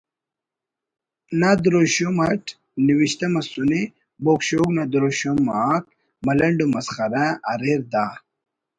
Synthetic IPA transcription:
nad̪uɾoɕomɐʈ | niwiɕt̪ɐmɐsune | bokɕoːknɐd̪uɾoɕomaːk | mɐlɐɳɖumɐsxɐɾaɐɾeɾd̪aː

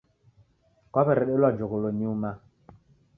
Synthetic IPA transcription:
kɔpɛɾɛɗelwad͡ʒokoloɲiuma

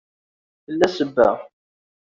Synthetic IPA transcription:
θəlːæsəbːæ̰

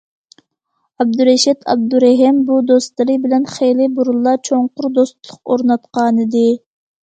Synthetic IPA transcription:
ɑb̚d̪uɾɛʃɛt̪ʰɑ̰b̚d̪uɾɛɦɪmbud̪ost̪lˠɨɾɨbɪlɛnχejlɪbuɾulˠːɑt͡ʃʰoŋqʊɾd̪ost̪lˠʊqoɾnɑt̪̚qɑːnɨd̪ɨ

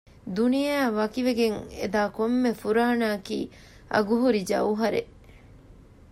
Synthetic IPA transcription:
d̪unijæːʋɐkiʋeɡeŋḛd̪aːkomːefuɾaːnaːkḭː | ɐ̰ɡuɦuɾid͡ʒɐ̰uɦɐɾḛʔ

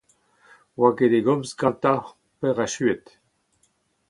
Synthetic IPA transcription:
waked̪eɡɔmsɡɑ̃nt̪a | pɛʁaʃyet̪

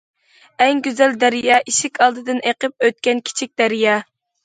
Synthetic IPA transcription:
ɛŋɡʲyzɛld̪æɾijɑʔiʃɪkʲʰɑlˠd̪ɨd̪ɨneqəp̚øt̪̚kʲɛnkʲʰi̥t͡ʃʰik̚ʲd̪̥æɾijɑ

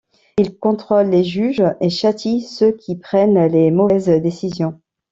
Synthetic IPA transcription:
ilkɔ̃t̪χɔlːeʒyʒeʃat̪ʰisøkʲʰipχɛnlemɔvɛzd̪esizjɔ̃

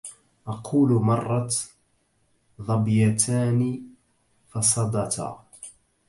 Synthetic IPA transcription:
ʔɑqʰuːlmɑrˤːɑ | ðˤɑbjat̪ʰaːni | fɑsˤɑd̪ɑt̪a̰

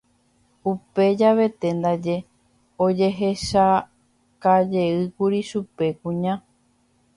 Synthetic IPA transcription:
upe̞d͡ʒaʋe̞t̪e̞nd̪ad͡ʒe̞ | od͡ʒe̞ɦeʃa | kad͡ʒe̞ɨkuɾiʃupe̞kũɲã

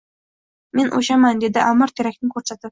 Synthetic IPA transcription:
menʔoʃamand̪ed̪ɪʔaməɾt̪ʰeɾæk̚ʲnɪŋkʲʰɵɾsæt̪ɪp̚

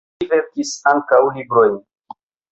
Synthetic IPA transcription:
ve̞ɾkisaŋkawlibɾo̞jn

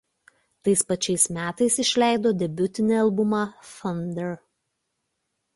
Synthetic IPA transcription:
t̪ɐɪspɐt͡ʃʲɛɪsmʲæːt̪ɐɪsɪʃʲlʲæˑɪd̪oːd̪ʲɛbʲʊt̪ʲɪnʲeɐlˠbʊmɑfɐnʲd̪ʲɛɾ

